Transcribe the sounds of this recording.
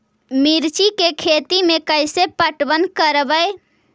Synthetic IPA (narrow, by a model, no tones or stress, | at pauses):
miɾt͡ʃikekʰet̪imekəjsepəʈbənkəɾbəj